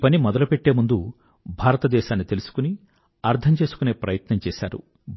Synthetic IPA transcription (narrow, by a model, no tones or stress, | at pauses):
pɐnimɔd̪ɐlupe̞ʈːeːmund̪u | bʱaːɾɐt̪ɐd̪ɛːʃaːnːit̪e̞lusu̥kuni | ɐɾt̪ʰɐmt͡ʃeːsu̥kune̞ːpɾɐ̰jɐt̪nɐmt͡ʃɛːʃaːɾṵ